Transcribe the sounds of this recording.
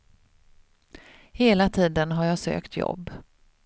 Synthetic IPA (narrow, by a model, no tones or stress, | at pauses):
heːlat̪ʰiːd̪ənɦaɾjaːsø̰ːkt̪ʰjɔ̰bː